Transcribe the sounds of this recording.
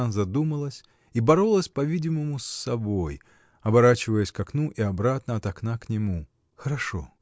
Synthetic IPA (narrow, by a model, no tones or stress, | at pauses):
zɐd̪uməlˠəsʲ | ibɐɾolˠəsʲpɐvʲidʲɪməmʊsːɐboj | ɐbɐɾat͡ɕɪvəjəsʲkɐknuʔiɐbɾat̪nəɐt̪ɐknaknʲɪmu | xəɾɐʂo̰